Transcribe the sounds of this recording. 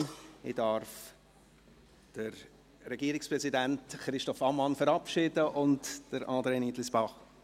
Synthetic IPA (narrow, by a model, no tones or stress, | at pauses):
ɪdɑɾf | d̥əɾ | ɾɛɡiəɾɪkspɾɛzidæntχɾɪʃtɔfɑmɑnfəɾɑpʃɪdəʔʊntd̥əɾʔɑːdɾeːnitlɪsb̥ɑχ